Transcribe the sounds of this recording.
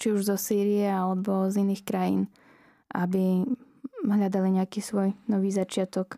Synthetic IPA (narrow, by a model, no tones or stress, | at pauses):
t͡ʃiuʒzɔsiːɾiɛalɛbɔziniːxkɾajḭːn | ʔabi | ɦʎad̪aliɲɛakiːsʋɔjnɔʋiːzat͡ʃɪat̪ɔk